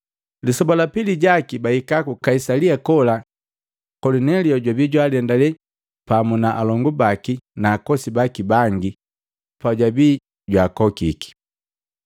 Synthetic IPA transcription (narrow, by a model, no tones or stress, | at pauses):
lisɔbalapiliɟakibahikakukaisaliakɔla | kɔlɔnɛliɔɟwabiɟwaliɛndalɛ | pamunaʔalɔŋɡubakinaːkɔsibakibaŋɡi | paɟwabiː | ɟwakɔkiki̥